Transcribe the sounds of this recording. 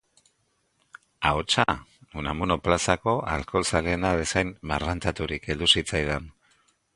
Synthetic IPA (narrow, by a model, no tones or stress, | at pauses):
aot͡ʃaunamuno̞plasako̞a̰lko̞lsaleeːnaðe̞sajmmarant̪at̪uɾikʰe̞ld̪usit͡sajðan